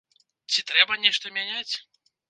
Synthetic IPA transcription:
t͡sʲit̪ɾɛbɐnʲɛʂt̪ɐmʲanʲat͡sʲ

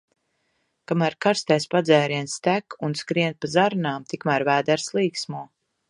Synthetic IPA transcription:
kamæɾkaɾst̪ɛspad̪zɛːɾiɛnst̪ækunskɾiɛnt̪̚pazaɾnaːmt̪ikmæɾvæːd̪æɾslˠiːksmuɔ

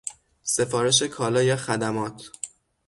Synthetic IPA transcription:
se̞fɒːɾe̞ʃ̬e̞kʰɒːlɒːjɛxæd̪æmɒːt̪ʰ

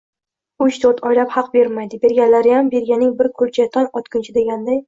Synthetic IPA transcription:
ʊʃt̪ʰot̪ʰɒjlaphɑqbe̞ɾmajd̪ɪbe̞ɾɡʲalaɾɪjambe̞ɾɡʲanɪŋbɪɾkʰʊɾt͡ʃʰat̪ʰɒnɒt̪kʰʲʊnt͡ʃʰɪd̪e̞ɡʲand̪aj

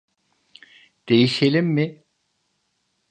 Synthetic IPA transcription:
d̪̥e̞jiʃe̞lʲimːɪ

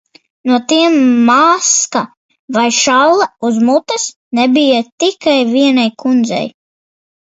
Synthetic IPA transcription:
nuɔt̪iɛmːaːska | vajʃawlˠauzmut̪as | nɛbijat̪ikajviɛnajkund̪zɛ̰j

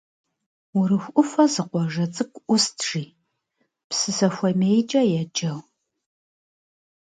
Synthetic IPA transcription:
ʊɾɨxʷʔʊfɐzɨqʷɔʒɐt͡sʼɨkʷʼʔʷʊstʰʒ̥iː | psɨsɐxʷɐmejt͡ʃʼɐjɛd͡ʒʼɐw

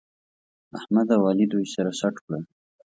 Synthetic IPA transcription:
ahmad̪awɑlid̪ujsaɾasaʈkɽa

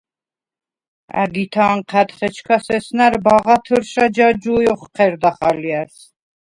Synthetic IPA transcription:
æ̰ɡit̪ʰaːnqʰæt̪χɛt͡ʃʰkʰasɛsnæɾbaʁat̪ʰəɾʃad͡ʒad͡ʒujɔχqʰɛɾd̪aχaliaɾs

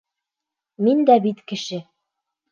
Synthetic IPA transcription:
mind̪æbit̪kɘ̆ʃɘ

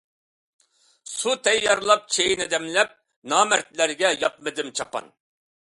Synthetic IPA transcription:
sut̪ʰɛjːɑɾlˠɑp̚t͡ʃʰejnɪd̪ɛmlɛp̚ | nɑːmæɾt̪læɾɡʲɛjɑp̚mɨd̪ɪmt͡ʃʰɑpɑ̰n

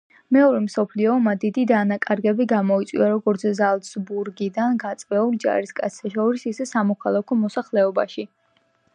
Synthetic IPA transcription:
mɛɔɾɛmsɔpʰliɔmad̪id̪id̪anakʼaɾɡɛbiɡamɔit̪sʼwiaɾɔɡɔɾt̪sʰzalˠd̪sbuɾɡid̪anɡat̪sʼvɛulˠd͡ʒa̰ɾiskʼa̰t̪sʰɛʃɔɾisisɛsamɔkʰalˠakʰɔmɔsaχlɛɔba̰ʃi

